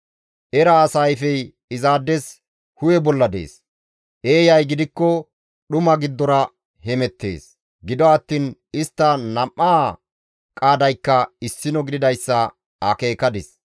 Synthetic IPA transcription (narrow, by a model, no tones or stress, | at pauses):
ʔɛɾɐːsɐjfɛj | ɪzaːd̪ːɛs | hʊjɛbɔlːɐd̪ḛːs | ʔeːjɐjɡɪd̪ɪkːɔ | ɗʊmɐɡɪd̪ːɔnɐ | hɛmɛt̪ːe̞̰ːs | ɡɪd̪ɔɐt̪ːiːnɪst̪ːɐnɐmːaː | kʼaːd̪ɐjkːɐɪsːɪnɔɡɪd̪ɪd̪ɐjsːɐ | ɐke̞ːkɐd̪ɪs